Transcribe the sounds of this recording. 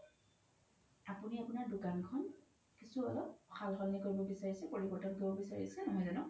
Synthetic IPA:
apuniapunaɹdʊkankʰɔn | kisuɔlɔp̚xʰalɦɔnːɛkoɹibɔbisaɹisɛpoɹibɔɹtɔnɡibɔbisaɹisɛnɔɦɔjzanɔ

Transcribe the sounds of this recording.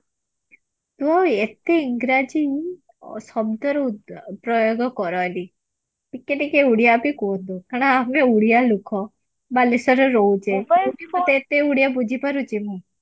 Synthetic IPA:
t̪uaet̪eiŋɡɾad͡ʒi | sɔbd̪ʱɔɾpɾɔjoɡɔkɔɾali | pikːeʈikeuɽjabikod̪okaɽ̃aːmeuɽijalukʰɔ | balesɔɾɔɾɔud͡ʒekuʈipɔt̪eːt̪euɽijabud͡ʒʱipaɾut͡ʃimũ

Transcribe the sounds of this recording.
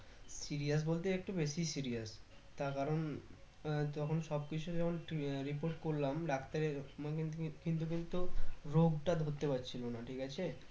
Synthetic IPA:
siɾias̬bolt̪eek̚ʈubeʃisiɾias | t̪aɾkaɾon | t̪ɔkʰonʃɔb̚kit͡ɕʰud͡ʑɛkʰonɾipoɾʈkoɾlamɖak̚ʰt̪aɾe | kint̪̬ukint̪uɾoɡʈad̪ʱot̪ːepatːɕʰilonaʈʰikat͡ɕʰe

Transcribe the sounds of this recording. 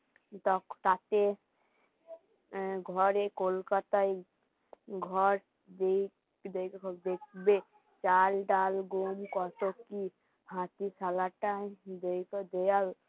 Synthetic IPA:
t̪ɔkt̪at̪e | ɡʱɔɾekolkat̪ai | ɡʱɔɾ | d̪e | d̪ekd̪ekʰbe | t͡ʃalɖalɡomkɔt̪oki | ɦãt̪isalaʈad̪ekd̪ejal

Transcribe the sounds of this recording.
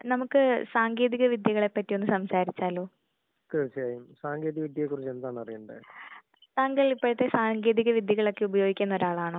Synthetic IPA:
nɐmukːɨsaːŋɡeːðiɣɐʋid̪jɐɣɐɭe̞pːɐtːijo̞nːɨsɐmsaːɾit͡ɕːaːloː | ket͡ɕːijaːjumsaːŋɡeːðiɣɐʋid̪jɐkːurit͡ɕːe̞nd̪aːɳɐrijuɳɖɨ̰ | t̪aːŋɡɐɭipːoɻut̪ːe̞saːŋɡe̞ːðiɣɐʋid̪jɐɣɐɭo̞kːe̞ubɐjoːɡikʲːnːo̞ɾaːɭaːɳoː

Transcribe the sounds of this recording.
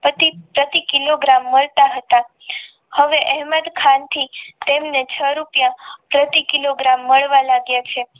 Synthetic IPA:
pət̪ipɾət̪ikiloɡɾamːəɭt̪aɦət̪a | həʋeʔɛɦməd̪kʰant̪ʰit̪emnet͡ʃʰəɾupjãpɾət̪ikiloɡɾamːəɭʋalaɡjat͡ʃʰe

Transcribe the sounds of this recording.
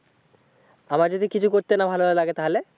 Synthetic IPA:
amaɾd͡ʑod̪ʱikit͡ɕʰukoɾt̪enabʱalobaelaɡet̪aɦole

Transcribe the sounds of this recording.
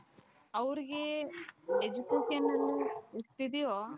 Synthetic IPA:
ɐʋɾiɡe | ed͡ʒukeʃɐnːɐnːuist̪id̪ijo

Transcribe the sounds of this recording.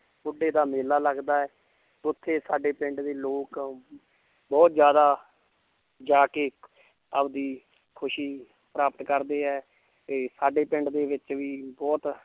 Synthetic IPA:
bʊɖːeːd̪aːmeːlaːləɡd̪aːɛː | ʊt̪ʰːeːsaːɖeːpɪ̃ɳɖd̪eːloːk | bɔːt̪zjaːd̪aː | d͡ʒaːke | əbd̪iː | kʰʊʃiː | pɾaːpət̪kəɾd̪eːɛː | eːsaːɖeːpɪ̃ɳɖd̪eːʋɪt͡ʃʋiːbɔːt̪

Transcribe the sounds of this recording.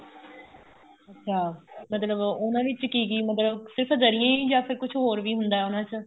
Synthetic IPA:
ətːʃʰaːmət̪ləbʊnãːʋɪt͡ʃkiːɡiːmət̪ləbsɪɾpʰd̪əɾɪjãːĩːd͡ʒaːpʰɪɾkʊt͡ʃʰɦoːɾʋiːɦʊnd̪aːɛːʊnãːt͡ʃ

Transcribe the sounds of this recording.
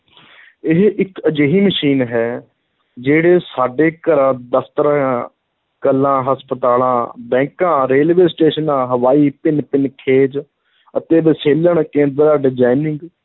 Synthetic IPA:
ɪɦɪkəd͡ʒeːɦiːməʃiːnɦɛː | d͡ʒeːɽeːsaːɖeːkəɾãːd̪əft̪əɾãː | kəlːãːɦəspət̪aːlãːbɛ̃ːkãːɾeːlʋeːsʈeːʃənãːɦəʋaːiːpɪnpɪnkʰeːd͡ʒ | ə̰t̪eːbəseːləɳkẽːnd̪ɾaːɖɪd͡ʒaːinɪ̃ŋɡ

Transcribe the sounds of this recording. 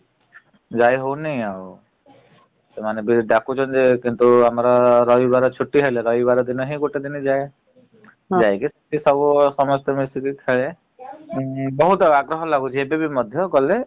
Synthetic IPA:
d͡ʒajɦownejau | semanebiɖakut͡ʃʰɔnd͡ʒekint̪uamaɾɔɾɔjbaɾɔt͡ʃʰuʈːiɦeleɾɔjbaɾɔd̪inɔɦiɡuʈed̪inid͡ʒaj | d͡ʒajkisɔ̥ʈʰisɔbusɔmɔst̪ɔmist̪ikikʰeɭe | bɔɦut̪ɔaɡɾɔɦɔlaɡut͡ʃʰiebebimɔd̪ʱjɔkɔle

